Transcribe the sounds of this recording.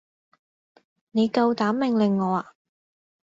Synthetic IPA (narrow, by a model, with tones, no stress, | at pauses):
ne˨˧jkɐ˧wt̪aː˨˥mːɪ˨ŋlɪ˨ŋːɔː˨˧aː˨